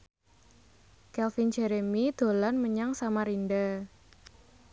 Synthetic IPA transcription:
kɛlfind͡ʒeɾemid̪̥o̤lanməɲaŋsamaɾinɖa

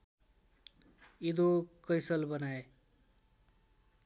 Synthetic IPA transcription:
id̪okʌjsʌlbʌnae

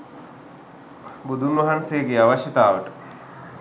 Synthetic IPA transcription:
bud̪ʱunʋɐɦansejəɡeaʋaɕjət̪aːʋəʈə

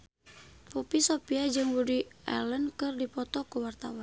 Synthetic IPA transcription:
pupisopiad͡ʒɨŋbudiɛ̰lənkɨrdipɔt̪ɔkuwart̪awan

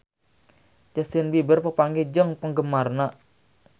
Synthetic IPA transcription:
d͡ʒəst̪ɪnbibərpəpaŋɡed͡ʒəŋpəŋɡəmarna

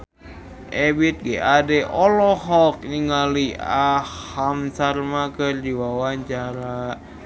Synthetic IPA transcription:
ʔɛbit̪̚ɡɛadɛʔɔlɔɦɔk̚niŋaliahamsarmakɨrd͡ʒiwawaɲt͡ʃaɾa

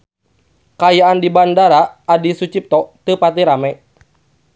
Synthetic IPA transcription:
kajaandibandaɾaːdisut͡ʃip̚t̪ɔt̪ɨpat̪iɾamɛ

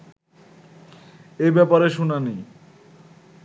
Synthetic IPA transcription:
ejbɛpaɾeʃunani

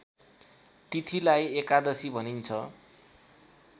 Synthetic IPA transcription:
t̪it̪ʰilajekad̪ʌsibʱʌnint͡sʰʌ̰

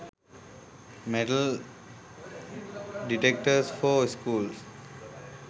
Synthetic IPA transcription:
meɖəl | ɖiʈek̚ʈəsfoːskuːls

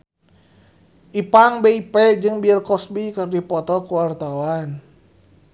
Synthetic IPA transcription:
ʔipaŋbɛipɛd͡ʒɨŋbilkɔsbikərdipɔt̪ɔkuwart̪awan

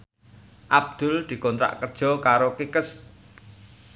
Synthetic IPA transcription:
ʔab̚d̪̥ʊ̤ld̪̥i̤kɔnt̪ɾa̰ʔkərd̥ʒ̥ɔ̤kaɾokikəs

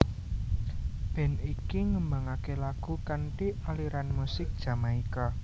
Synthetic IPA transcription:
b̥ɛ̤nikiŋəmbaŋakelaɡ̥ṳkaɳʈialiɾanmusɪk̚d̥ʒ̥a̤maika

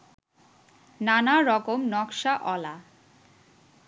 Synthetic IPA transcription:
nanaɾɔkomnɔkʃaʔɔla

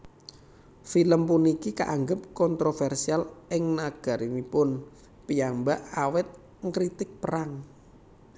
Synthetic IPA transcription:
filəmpunikika̰ʔaŋɡəp̚kɔnt̪ɾofɛrsialʔɪŋnaɡ̥a̤ɾimipʊn | pijambaʔawɪt̪̚ | ŋkɾit̪ɪk̚pəɾaŋ

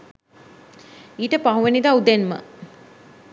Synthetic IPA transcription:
iːʈəpaɦuʋenid̪aud̪enmə̰

